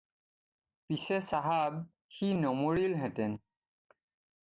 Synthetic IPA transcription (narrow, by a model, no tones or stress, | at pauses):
pisɛsaɦab̚ | xinɔmoɹilɦɛ̃tɛn